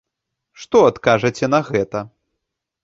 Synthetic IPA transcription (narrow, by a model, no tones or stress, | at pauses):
ʂt̪ɔat̪kaʐɐt͡sʲɛnɐɣɛt̪ɐ